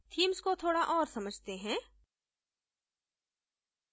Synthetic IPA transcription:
t̪ʰiːmskot̪ʰoːɽaʔɔːɾsɐməd͡ʒʱt̪eɦɛ̃ː

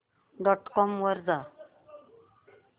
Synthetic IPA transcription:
ɖɔʈkɔmʋəɾd͡za

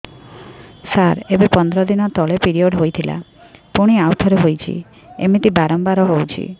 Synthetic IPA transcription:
saɾebepɔnd̪ɾɔd̪inɔt̪ɔɭepiɾioɖɦojt̪ʰila̰ | puɽ̃iawt̪ʰɔɾeɦojt͡ʃʰḭ | emit̪ibaɾɔmbaɾɔɦowt͡ʃʰḭ

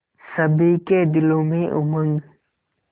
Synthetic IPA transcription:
sɐbiːked̪ɪlõmẽʔʊməŋɡ

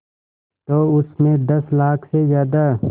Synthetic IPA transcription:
t̪oːʊsmẽd̪ɐslaːkʰsezjaːd̪a

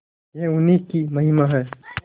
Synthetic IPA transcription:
jeʊnikimɐɦimaɦɛː

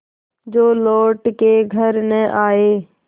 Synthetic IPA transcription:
d͡ʒoːloːʈkeɡʱəɾnəʔaːeː

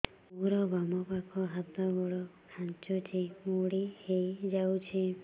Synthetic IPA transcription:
muɾɔbamɔpakʰɔɦat̪ɔɡɔɭɔkʰãnt͡ʃɔt͡ʃʰimuɽihejd͡ʒawt͡ʃʰi

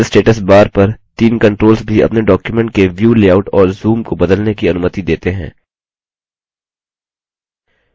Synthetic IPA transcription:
lsʈeːʈəsbaːɾpɐɾt̪iːnkɐ̃ɳʈɾoːlsbʱiɐ̰pneɖɔːkjumɛ̃ɳʈ̚keʋjuːleːaːʊʈɔːɾzuːmkobɐd̪əlnekiɐnʊmət̪id̪eːt̪eɦɛ̰̃ː

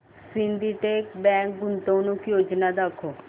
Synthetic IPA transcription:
sɪ̃nd̪iːʈeːkbɛ̃ːŋk̚ɡʊnt̪õːnũːkjoːd͡ʒnaːd̪akʰːoː

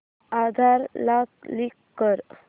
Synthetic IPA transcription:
ad̪ʱaɾlaklikːəɾ

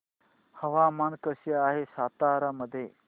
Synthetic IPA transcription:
həʋamankəɕəaːɦesat̪aɾaməd̪ʱːje

